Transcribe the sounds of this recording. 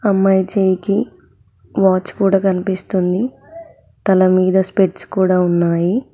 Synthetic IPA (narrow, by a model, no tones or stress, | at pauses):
ɐmːɐjt͡ʃejki | ʋaːt͡ʃːkuːɽaːkɐnipist̪und̪i | t̪ɐlɐmiːd̪ɐspeʈskuːɽaːunːaːji